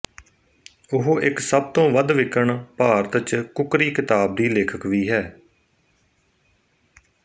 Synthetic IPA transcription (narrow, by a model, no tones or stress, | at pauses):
ʊɦoʔɪksəb̚t̪õːʋəd̪ʋɪkəɳpaːɾət̪t͡ʃkʊkɾiːkɪt̪aːb̚d̪iːleːkʰəkʋiːɦɛː